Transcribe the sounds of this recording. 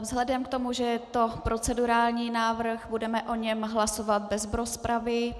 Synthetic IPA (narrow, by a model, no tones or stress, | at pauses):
vzɦlɛdɛmkt̪o̞muʒɛɛt̪o̞pɾo̞t͡sɛduɾaːlɲiːnaːvr̩xbudɛmɛʔo̞ɲɛmɦlaso̞vat̪̚bɛzbɾospɾavɪ